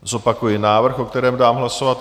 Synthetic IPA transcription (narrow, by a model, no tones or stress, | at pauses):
zo̞pakujɪnaːvr̩xo̞kt̪ɛɾɛːmdaːmɦlaso̞vat̪